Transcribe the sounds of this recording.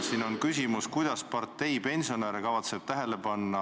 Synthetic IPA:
siːno̞nkysʲimuskujd̪̥ɑspɑrt̪ːˑe̞jpe̞nʲsioneɾekɑvɑt̪seb̥̚t̪æɦe̞lepɑnːɑ

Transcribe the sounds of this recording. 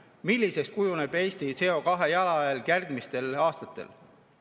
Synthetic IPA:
milʲːise̞kskujuneb̥e̞ːst̪ise̞o̞kɑɦe̞jɑlɑelkærd̪̥mist̪e̞lɑːst̪ɑt̪ːˑḛl

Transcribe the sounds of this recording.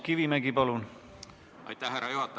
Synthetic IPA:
kiʋimæɡ̥ipɑlun | ɑjt̪ːæherːɑjohɑt̪ː

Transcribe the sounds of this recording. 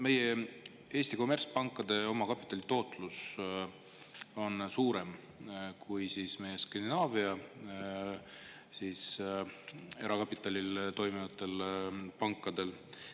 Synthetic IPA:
me̞je̞ | e̞ːsʲt̪iko̞merspɑŋkːˑɑd̪̥e̞o̞mɑkɑpit̪ːˑɑlʲit̪o̞ːt̪ˑlus | o̞nsuːɾe̞m | kʰujsiːsme̞je̞skɑnd̪inɑːviɑ | siːs | e̞ɾɑkɑpːˑit̪ˑːɑlʲilt̪o̞jmivɑt̪ːˑe̞lpɑŋkˑːɑd̪̥e̞l

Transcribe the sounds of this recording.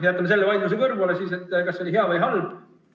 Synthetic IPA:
ejɑt̪ːˑɑmeselːevɑjd̪lusekɤrvulesiːse̞t̪ːˑkɑsːeoliɦe̞ɑvɯjɦɑlb̥

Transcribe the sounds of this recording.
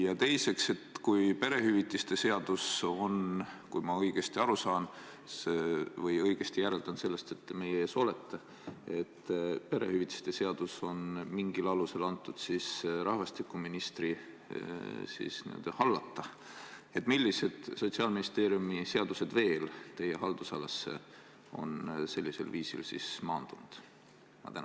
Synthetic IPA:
jɑt̪e̞jse̞kse̞t̪kujpe̞ɾe̞hyvit̪ˑːist̪e̞se̞ɑd̪̥uso̞nkujmɑɤjɡ̥e̞st̪iɑɾusɑːn | svɤjɤjɡ̥e̞st̪ijæɾe̞ld̪̥ɑnse̞lːe̞st̪e̞t̪ːeme̞jeeːso̞le̞t̪ʰːe | et̪ːpe̞ɾe̞̰hyvit̪ːˑi̥st̪e̞se̞ɑd̪̥uso̞nmiŋɡilɑluse̞lɑnt̪ːˑud̪̥sisɾɑhvɑst̪ikːˑuminist̪ri | sḭːsnḭø̰d̪̥ɑhɑlːɑt̪ːɑ | e̞t̪ːˑmilʲːise̞d̪̥so̞t̪ʲsiɑlminist̪e̞ːɾijumise̞ɑd̪̥use̞d̪̥ve̞ːlt̪e̞je̞ɦɑld̪̥usɑlːɑsːe̞̰ | o̞̰nse̞lʲːise̞̰lviːsḭlsḭsmɑːnd̪̥und̪̥ | mɑ̰t̪æn

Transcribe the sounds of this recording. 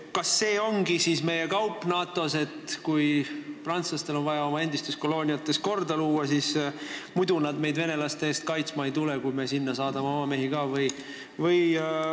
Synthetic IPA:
kɑsːe̞ːo̞ŋɡisiːsme̞je̞kɑwpːˑnɑːt̪ˑo̞se̞t̪kujprɑnt̪slɑst̪e̞lonvɑjɑo̞mɑe̞nd̪ist̪usko̞lo̞ːnʲiɑt̪ːˑe̞sko̞rd̪ɑluːɑsiːsmujd̪unɑd̪me̞jd̪ve̞ne̞lɑst̪e̞eːst̪̚kɑjt̪smɑejt̪ule̞kujme̞sinːɑsɑːd̪̥ɑmeomɑme̞ɦiɡɑːvɯj | vɯj

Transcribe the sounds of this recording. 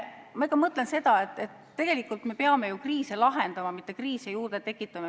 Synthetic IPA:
mɑikːˑɑmɤt̪ˑlense̞d̪̥ɑet̪ːˑe̞t̪ːe̞ɡ̥e̞likːˑult̪me̞peɑme̞jukriːselɑɦe̞nd̪̥ɑmɑmit̪ˑːe̞kriːsejuːrd̪̥e̞t̪e̞kːˑit̪ːˑɑme

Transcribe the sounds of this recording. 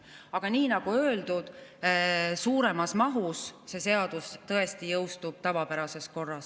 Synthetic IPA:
ɑɡ̥ɑniːnɑɡ̥uøːld̪ud̪̥ | suːɾe̞mɑsmɑɦusse̞se̞ɑd̪̥ust̪ɤ̞e̞st̪ijɤwst̪ub̥t̪ɑvɑpæɾɑse̞sko̞rːɑs

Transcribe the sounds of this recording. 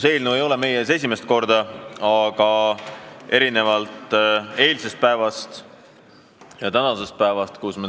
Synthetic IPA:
se̞ːlnue̞jo̞leme̞jeese̞sʲime̞st̪̚ko̞rd̪̥ɑɑɡ̥ɑ | e̞ɾine̞vɑlt̪ˑe̞ːlse̞st̪̚pæevɑst̪ | jɑt̪ænɑse̞st̪̚pæevɑst̪kusme

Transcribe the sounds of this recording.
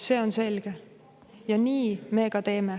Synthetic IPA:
se̞ːo̞nse̞lɡ̥e | jɑniːme̞ːkɑt̪e̞ːme̞

